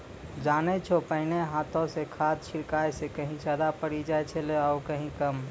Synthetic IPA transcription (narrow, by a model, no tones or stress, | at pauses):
d͡ʒanet͡ʃʰopəɪneɦat̪õsekʰad̪̚t͡ʃʰiɾkajsekəɦĩsad̪apəɽid͡ʒaet͡ʃʰɛleaukəɦĩkəm